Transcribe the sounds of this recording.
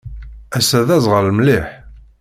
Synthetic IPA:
æsæðæzˤʁəɾlmliħ

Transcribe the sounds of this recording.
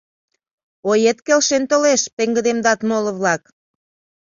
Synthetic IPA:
ojet̪kelʃent̪oleʃpeŋɡə̆d̪emd̪ɑt̪moləβlɑk

